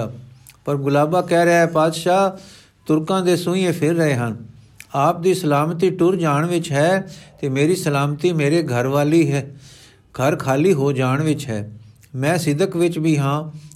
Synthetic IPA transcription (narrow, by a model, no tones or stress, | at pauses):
pəɾɡʊlaːbaːkɛːɾəɦɛːpaːd̪ʃaː | t̪ʊɾkãːd̪eːsʊ̃ĩẽːpʰɪɾːəɦeːɦən | aːp̚d̪iːsəlaːmt̪iːʈʊɾd͡ʒaːɳʋɪt͡ʃɦɛːt̪eːmeːɾiːsəlaːmt̪iːmeːɾeːɡʱəɾʋaːliːɦ | ɡ̥ʱəɾkʰaːliːɦoːd͡ʒaːɳʋɪt͡ʃɦɛː | mɛ̃ːsɪd̪əkʋɪt͡ʃbiːɦãː